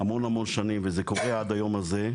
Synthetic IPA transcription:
amo̞namo̞nʃanimvezeko̞ʁead̪ajo̞maze

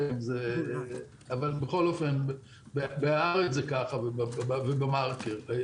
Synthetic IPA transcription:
mze | avalbeχo̞lofenb | bebeaaʁet͡szekaχavebabvebamaʁkeʁ

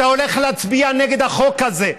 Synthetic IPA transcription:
aoleχlat͡sbianeɡed̪aχokaze

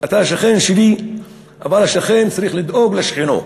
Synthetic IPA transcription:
at̪aʃaχe̞nʃivi | ʔavalhaʃaχe̞nt͡saɾiχlid̪ʔoɡleʃχino̰

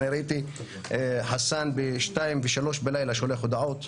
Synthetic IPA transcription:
iɾait̪i | ħasanbeʃtaimveʃalo̞ʃbelajlaʃeoleχod̪aʕot̪

